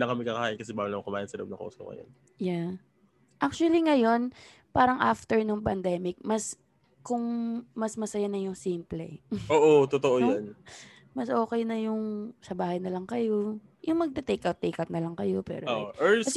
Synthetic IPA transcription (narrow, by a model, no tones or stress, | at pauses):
lɐŋkɐmɛkakɐhaːʔɪnkɐsɛbaːwɐlamɐŋkʊmaːjɪɐnsɐlo̰ʔobnɐko̰ːso̰kɐ̰jo̰n | ja | ʔak̚t͡ʃuɐliŋɐjo̞n | paːɾɐŋʔaft̪ɛɹnoŋpɐnd̪ɛːmɪk̚mɐs | kʊŋmɐsmɐsɐjanɐjʊŋsimplɛ̰oːʔot̪ot̪oʔojon | mɐsʔo̞ːkɛjnɐjʊŋsɐbaːhɐjnɐlɐŋkɐjo̞ | jʊŋmɐɡ̚t̪ɛt̪ekawt̪ːejkɐp̚nɐlɐŋkɐjo̞pɛ̰ɾooʔoʔɛ